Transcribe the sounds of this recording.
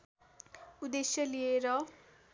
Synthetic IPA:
ud̪esjʌlijeɾʌ

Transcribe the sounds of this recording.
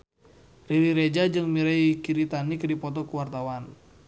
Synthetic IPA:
riɾiɾed͡ʒad͡ʒɨŋmiɾɛikiɾit̪anikdipɔt̪ɔkuwart̪awan

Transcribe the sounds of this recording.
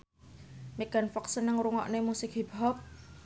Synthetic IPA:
miɡ̥anfɔk̚sənəŋɾuŋɔ̰ʔnemusɪk̚ɦibɦɔp̚

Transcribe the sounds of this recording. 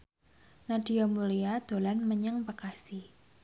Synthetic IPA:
naɖ̥iomuliad̪̥olanməɲəŋpəkasi

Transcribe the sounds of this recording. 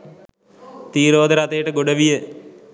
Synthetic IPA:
t̪iːɾoːd̪ɐɾɐt̪ejʈɐɡoɽɐʋije

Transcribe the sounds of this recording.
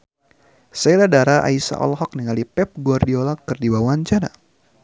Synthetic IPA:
sajladaɾaʔa̰isa̰ʔɔ̰lɦɔk̚niŋalipɛp̚ɡuardiolakɨrdiwawaɲt͡ʃana̰

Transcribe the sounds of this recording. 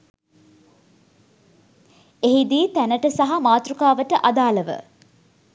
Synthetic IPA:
eɦid̪iːt̪ænəʈəsaɦamaːt̪ɾukaːʋəʈəʔad̪aːləʋə̰

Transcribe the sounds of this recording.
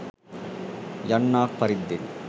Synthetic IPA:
jɐɳːaːk̚pɐɾɪd̪ːɪn

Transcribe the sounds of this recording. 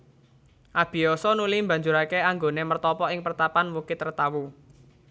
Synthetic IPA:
ʔab̥i̤ɔsɔnulimba̤ɲd͡ʒuɾakeaŋɡonemərt̪ɔpɔɪŋpərt̪apanwukɪt̪ːərt̪awu

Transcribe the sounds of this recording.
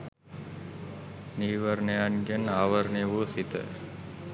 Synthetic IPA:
niːʋəɾnəjanɡənaːʋəɾneʋusit̪ə̰

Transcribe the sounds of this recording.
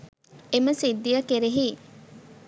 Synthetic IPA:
eməsid̪ːijɐkeɾeɦiː

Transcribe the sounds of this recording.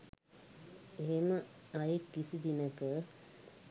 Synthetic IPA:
eɦeməajekːisid̪inəkə

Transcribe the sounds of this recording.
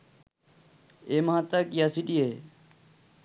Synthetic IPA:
emɐɦat̪akjasiʈie

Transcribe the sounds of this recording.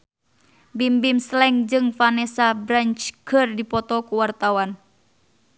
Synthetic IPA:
bimbimslɛŋd͡ʒɨŋfanɛsabɾant͡ʃkʰərdipɔt̪ɔkuwart̪awan

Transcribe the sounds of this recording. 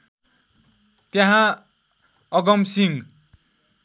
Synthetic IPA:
t̪jãɦã | ʌɡʌmsiŋ

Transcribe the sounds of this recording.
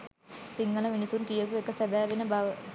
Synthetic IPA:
siŋːɐlɐminisunkijɐkuʋekːɐsɐd̪aːʋinɐba

